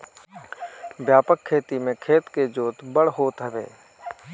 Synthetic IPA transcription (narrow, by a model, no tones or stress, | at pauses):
bjaːpəkʰːeːt̪imẽkʰeːt̪ked͡ʒoːt̪bəɽɦoːt̪ɦəbḛː